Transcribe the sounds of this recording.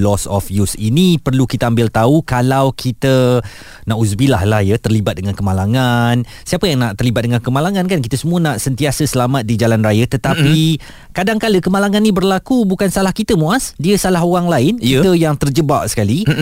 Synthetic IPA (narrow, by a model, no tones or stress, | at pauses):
lɔsɔ̰fjusḭnipərlukit̪əambɪlt̪aukalawkʰit̪ə | nãʔus̬bilahlahjət̪ərlibat̪̚dəŋankəmalaŋan | siapəjaŋnaʔt̪ərlibat̪̚dəŋankəmalaŋãnkankit̪əsəmũənaʔsənt̪iasəsəlamat̪̚did͡ʒalanrajət̪ət̪api | kadaŋkaləkəmalaŋanːĩbərlakubukansalahkit̪əmuasdiəsalaɦoɣaŋlaɪnit̪əjaŋt̪ərd͡ʒəbaʔsə̥kali